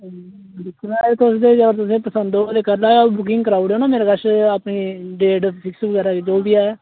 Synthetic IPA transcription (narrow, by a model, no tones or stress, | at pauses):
ɖɪkʰːʊlaːet̪ʊsd̪eːd͡ʒəɡəɾt̪ʊs̬ẽːpəsənd̪oːd̪eːkəɾlaːɡabʊk̬ɪ̃ŋɡkəɾaːʊɖoːnaːmeːɾaːɡəʃaːpniːɖeːɖpʰɪksbɡəɾaːked͡ʒoːbɪjaːɛː